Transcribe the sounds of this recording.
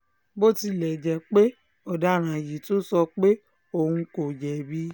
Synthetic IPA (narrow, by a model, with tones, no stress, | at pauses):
bo˦ti˧lɛ˨d͡ʒɛ˨k͡pe˦ | ɔ˦˨da˨˦˨ɾ̃ã˨ji˨to˦sɔ˧k͡pe˦ | o˦˨hũ˧ko˨d͡ʒɛ˨bi˦